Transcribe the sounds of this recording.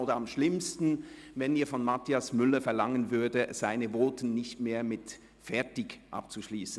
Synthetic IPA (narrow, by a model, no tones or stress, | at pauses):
oːdɐamʃlɪmstn̩ | vɛniːɐfɔnmatʰiasmʏləfɛɐlaŋənvʏɐdəz̥aɪnəvoːtn̩ːɪçtmeːɐmɪt | fɛɐtɪkʔa̰p̚t͡suʃliːsn̩